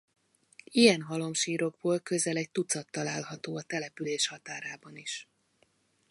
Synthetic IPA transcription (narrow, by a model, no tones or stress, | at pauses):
ijɛnɦɒlo̞mʃiːɾo̞ɡ̚boːlkø̞zɛlɛc̚t̪ut̪sɒt̪ːɒlaːlɦɒt̪oːɒt̪ɛlɛpyleːʃhɒt̪aːɾaːbɒniʃ